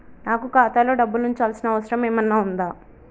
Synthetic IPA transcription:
naːkukaːt̪aːlo̞ːɖɐbːuluɲt͡ʃaːlsinɐɐʋɐsɐɾɐmeːmɐnːaːund̪aː

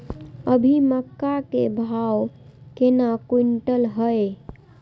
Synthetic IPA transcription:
əbʱiməkːakebʱaw | kenakuɳʈəlɦəe

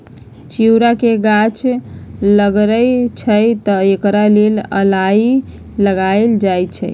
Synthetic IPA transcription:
t͡ʃiwɾakeɡat͡ʃ | ləɡɾəjt͡ʃʰəjt̪əekɾalelə̰lai | ləɡaeld͡ʒajt̪t͡ʃʰə̰j

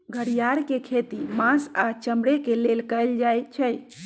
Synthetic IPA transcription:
ɡʱəɽijaɾkekʰet̪imãsat͡ʃəmbɽekelelkəjld͡ʒajt͡ʃʰəj

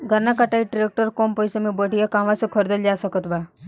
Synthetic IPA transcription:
ɡʱəɾnakaʈaiʈɾek̚ʈəɾkompɔjsəmibəʈijakãʋasukʰɔɾd̪əld͡ʒaːsɔkət̪ba

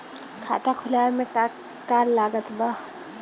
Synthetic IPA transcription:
kʰa̰ːt̪akʰʊlaːemẽka | kaːlːaːɡət̪ba

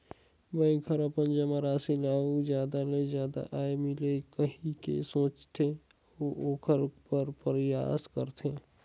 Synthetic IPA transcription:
bɛ̃ɪkʰəɾəpənd͡ʒəmaɾaːsilaːuzjaːd̪alezjaːd̪a̰ʔaːemɪlekəɦĩkḛsõːt͡ʃt̪ʰe | oʔoːkʰəɾpəɾpɾja̰ːskəɾt̪ʰeː

